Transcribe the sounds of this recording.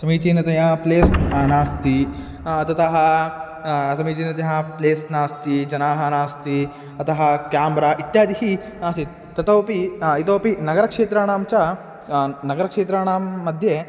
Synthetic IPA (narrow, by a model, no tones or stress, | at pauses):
sɐmiːt͡ʃiːnɐt̪ɐjapleːsnaːst̪i | t̪ɐt̪ɐɦɐ | sɐmiːt͡ʃiːnɐt̪ɐɦɐpleːsnaːst̪id͡ʒɐnaːɦɐnaːst̪i | ɐt̪ʰɐɦɐkjaːmɾaːʔit̪jaːd̪iɦi | naːst̪i | t̪ɐt̪ɐwpiit̪oːpinɐɡɐɾɐkʂeːt̪ɾaːɳaːmt͡ʃɐ | nɐɡɐɾɐkʂeːt̪ɾaːɳaːmːɐd̪ʱje